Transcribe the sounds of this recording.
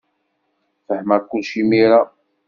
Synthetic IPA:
fəħmækʷːʊlʃimiɾa

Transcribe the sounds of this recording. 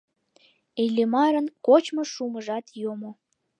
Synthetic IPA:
ejlʲemɑɾənkot͡ɕmoʃuməʒɑt̪jomo

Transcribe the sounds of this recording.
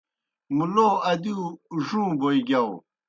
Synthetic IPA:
muloːɐd̪iʐũːboiɡaw

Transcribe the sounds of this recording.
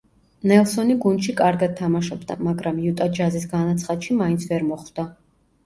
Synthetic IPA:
nɛlˠsɔniɡund̪ʃikʼaɾɡad̪̚t̪ʰamaʃɔbd̪a̰maɡɾamjut̪ʼad͡ʒazisɡanat̪sʰχad̪ʃimaint̪sʰvɛɾmɔχvd̪̥a

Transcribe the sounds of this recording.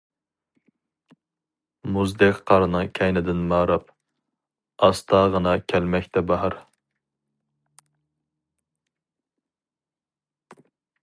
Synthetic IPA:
muzd̪ɪqqʰːɑɾnɨkʲʰɛjnɪd̪ɪnmɑɾɑp̚ | ɑst̪ʰɑʁənɑkʲʰɛlmɛkʲt̪ʰɛbɑɦɑɾ

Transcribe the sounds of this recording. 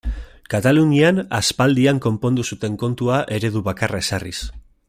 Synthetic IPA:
kat̪aluniana̰spald̪iaŋko̞mpo̞nd̪usut̪e̞ŋko̞nt̪uaʔe̞ɾe̞ðuβakarae̞sarḭs

